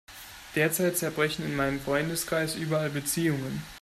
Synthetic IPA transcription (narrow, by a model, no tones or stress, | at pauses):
d̥eːɐt͡saɪt̚t͡sɛɐbʁɛçn̩ɪnmaɪnəmfʁ̥ɔʏndəskʁ̥aɪsʔyːbɐalbət͡siːʊŋən